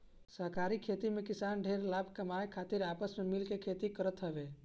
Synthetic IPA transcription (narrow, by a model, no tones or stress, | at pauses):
səɦkaɾikʰet̪imekɪsanɖʱeɾlabʱkəmaekʰaːt̪iɾaːpəsmemilkekʰet̪ikəɾət̪ɦəbe